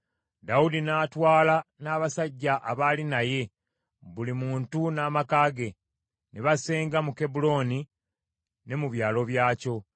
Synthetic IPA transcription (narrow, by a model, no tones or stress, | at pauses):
daudinaːtwaːlanaːβasaɟːaʔaβalinaje̞ | βulimuːntunaːmakaːɡe̞ | neβase̞ːŋɡamuke̞bulo̞ːni | ne̞muβjaːlo̞βjaːco̞